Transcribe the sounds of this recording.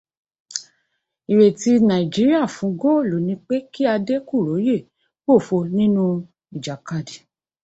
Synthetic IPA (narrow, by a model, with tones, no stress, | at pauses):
i˨we˨ti˦nã˨i˨d͡ʒi˨˦ɾi˦a˦˨fũ˨˦ɡo˦˨lo˨nĩ˧˦k͡pe˦ki˦a˧de˦ku˦˨ɾo˨˦je˦˨ | k͡po˦˨fo˧nĩ˦nũ˦ | i˨d͡ʒa˨ka˦˨di˨